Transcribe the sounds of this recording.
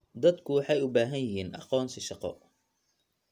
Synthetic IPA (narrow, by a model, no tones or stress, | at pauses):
d̪ɐd̪kʰʊwɑħɑjʊbaːɦɐnjɪɦiːnʔɑqɔːnsɪʃɑqɔ̰